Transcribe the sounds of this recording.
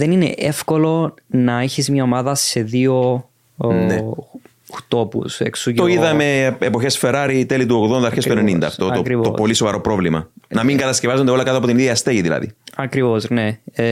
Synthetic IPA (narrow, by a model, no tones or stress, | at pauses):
ðeninḛʔefko̞lo̞nɐeçizmɲɐomɐðɐse̞ðio | ne | xt̪o̞pṵsḛksut̪oiðɐmme̞ːpo̞çe̞sfe̞ɾɐɾit̪elit̪̬uoɣðo̞nd̪ɐɾçest̪oenenind̪ɐ̰ːft̪oɐokɾivt̪opolisovɐɾo̞pɾo̞vlimɐ̰nɐmiŋɡɐt̪ɐscevɐzod̪eo̞lɐkɐt̪oɐpo̞t̪iniðiɐst̪eʝiðilɐ̰ðḭɐkɾivo̞zne̞